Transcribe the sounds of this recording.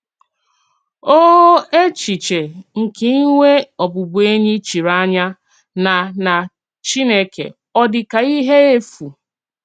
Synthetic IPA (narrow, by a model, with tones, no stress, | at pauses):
o˦e˦t͡ʃi˨t͡ʃe˨ŋ̩˨ke˦ŋʷe˦ɔ˨bʊ˨bu˨e˦ɲi˦t͡ʃi˨ɾa˦ɲa˦ | na˨na˨ | t͡ʃi˦ne˦kḛ˨ | ɔ˦dɪ˨ka˨i˦ɦe˦e˦fu˨